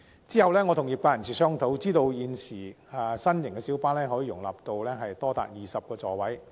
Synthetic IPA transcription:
t͡siː˥hɐ˨wlɛː˥ŋɔː˨˧t̪ʰʊ˨˩ŋji˨p̚aː˧jɐ˨˩nt͡sʰiː˨˩sœː˥ŋt̪ʰo˨˥wt͡siː˥t̪o˧wjiː˨˧nsiː˨˩ | ɐ˨sɐ˥njɪ˨˩ŋkɛː˧si˨˥wpaː˥nlɛː˥ɦɔː˨˥jiː˨˩ʊ˨˩ŋla̰ː˨˩p̚t̪o˧wlɛː˥ɦɐ˨jt̪ɔː˥t̪a̰ː˨t̚jiː˨˩sɐ˨p̚kɔː˧t͡sɔː˨wɐ˨˥j

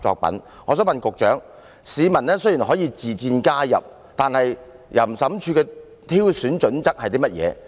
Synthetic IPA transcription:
t͡sɔ̰ː˧k̚pɐ̰˨˥n | ŋɔː˨˧s̬œː˨˥ŋmɐ˨nkʊ˨k̚t͡ʃœː˨˥ŋ | siː˨˧mɐ˨˩nɛː˥sɵ˥ji˨˩nɦɔː˨˥jiː˧t͡siː˨t͡siː˧nkaː˥jɐ̰˨p̚ | t̪aː˨nhɐ˨j | jɐ˨˩m̩˨˩sɐ˨˥mt͡ʃʰyː˧kɛː˧ | t̪ʰiː˥wsyː˨˥nt͡ʃɵ˨˥nt͡sɐ˥k̚hɐ˨t̪iː˥mɐ˥t̚jɛ̰ː˨˧

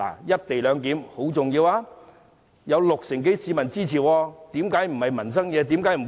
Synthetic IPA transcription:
la̰ː˨˩jɐ˥t̚t̪e˨jlœː˨˧ŋk̪iː˨˥mho˨˥wt͡sʊ˨ŋjiː˧waː˧ | jɐ˨˧wlʊ˨k̚sɪ˨˩ŋk̬e˨˥jsiː˨˧mɐ˨˩nt͡siː˥t͡ɕʰiː˨˩wɔː˧t̪iː˨˥mkaː˨˥jm̩˨˩hɐ˨jmɐ˨˩ns̬ɐ˥ŋjɛː˨˧t̪iː˨˥mkaː˨˥jm̩˨˩

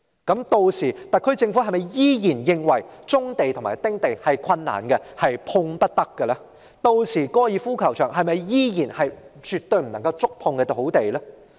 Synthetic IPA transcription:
kɐ˨˥mt̪o˧wsiː˨˩t̪ɐ˨t̚kʰːɵ˥ɥt͡sɪ˧ŋfu˨˥ɐ˨jmɐ˨jjiː˥jiː˨˩njɪ˧ŋwɐ˨˩jt͡sʊ˥ŋt̪e˨jt̪ʰʊ˨ŋma̰ː˨˩jt̪ɪ˥ŋt̪e˨jhɐ˨jkʰɐ˧nːa̰ː˨˩nkɛ˧hɐ˨jpʰʊ˧ŋpɐ˥t̚t̪ɐ˥kːɛ˧lɐː˥ | t̪o˧wsiː˨˩kɔː˥jiː˨˧fuː˥kʰɐ˨˩wt͡ʃʰœː˨˩ŋɦɐ˨jmɐ˨jjiː˥jiː˨˩nhɐ˨jt͡ʃy˨t̪ɵ˧ɥm̩˨˩nɐ˨˩ŋkɐ˧wt͡sʊ˥k̚pʰʊ˧ŋkɛ˧t̪o˨˩ho˨˥wt̪e˨jlɛː˥

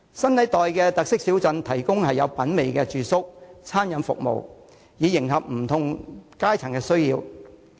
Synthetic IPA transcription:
sɐ˥nt̪ɐ˨˥jt̪ɔː˨jkɛ˧t̪ɐ˨k̚sɪ˥k̚si˨˥wt͡sɐ˧nt̪ʰɐ˨˩jkʊ˥ŋhɐ˨jːɐ˨˧wpɐ˨˥nme˨jkɛ˧t͡ʃyː˨sʊ˥k̚t͡sʰaː˥njɐ˨˧nfʊ̰˨k̚mo̰˨w | jiː˨˧˥jɪ˨˩ŋɦɐ˨p̚m̩˨˩t̪ʰʊ˨˩ŋkaː˥jt͡sʰɐ˨˩ŋkɛː˧sɵ˥ɥjiː˧w

